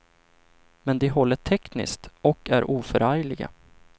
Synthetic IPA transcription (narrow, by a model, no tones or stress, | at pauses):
mɛnd̪ɪɦɔlːəʈʰɛknɪ̰skt̪ɔkːæɾʔuːfœɾajlɪɡa̰